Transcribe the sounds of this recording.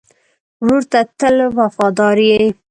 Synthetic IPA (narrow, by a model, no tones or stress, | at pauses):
ʐuɾt̪at̪əlwafɑd̪ɑɾjej